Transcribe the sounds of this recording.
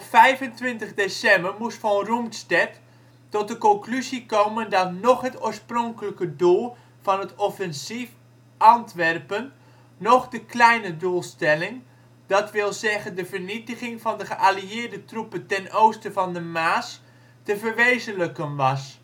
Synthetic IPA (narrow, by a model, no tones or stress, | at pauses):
ɔpfɛjvəntʋɪntəχdesɛmbəɹmustfɔnrumtstɛt | tɔt̚dəkɔŋklyzikowməndɑtnɔχɦətoːɹsprɔŋkələkədulˠ | v̥ɑnɦətɔfɛnsif | ʔɑntʋɛrpənː | ɔχdəklɛjnədulˠstɛlɪŋ | d̥ɑtʋɪlˠzɛχəndəvəɹnitəχɪŋvɑndəχəʔaliɪːɹdətrupəntɛnowstəvɑndəmaːs | təvəɹʋejzənləkənʋɑs